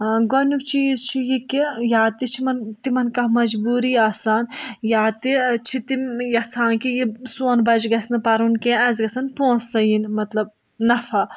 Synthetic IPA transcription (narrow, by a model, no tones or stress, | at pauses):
ɡɔnʲukt͡ʃiːzt͡ʃʰijikijaːt̪it͡ʃʰimɐnt̪imɐnkɐhmɐd͡ʒbuːɾiaːsaːnjaːt̪it͡ʃʰit̪ijɐt͡sʰaːnkijisoːnbɐd͡ʒɡɐsnɨpɐɾunkẽːɐzɡɐsɐnpoːnsːɐjinmɐt̪lɐb̚ | nɐfʰa